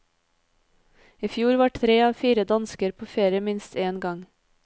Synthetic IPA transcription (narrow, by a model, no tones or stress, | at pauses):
iːfjuːɾʋɑːʈtɾeːɑːfiːɾəd̪ɑnskəɾpʰoːfeːɾɪəmɪnst̪eːnɡɑŋ